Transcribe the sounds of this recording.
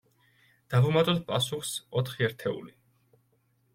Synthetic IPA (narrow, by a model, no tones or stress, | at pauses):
d̪̥avumat̪ʼɔt̪̚pʼasuχsɔt̪ʰχiɛɾt̪ʰɛṵli